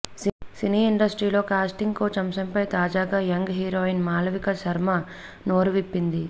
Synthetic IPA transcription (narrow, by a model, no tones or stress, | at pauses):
ssiniːiɳɖɐsʈɾiːlo̞ːkaːsʈiŋɡkoːt͡ʃɐmsɐmpɐjt̪aːd͡ʒaːɡaːjɐŋɡɦiːɾoːinmaːlɐʋikɐsɐɾmɐ | noːɾuʋipːind̪i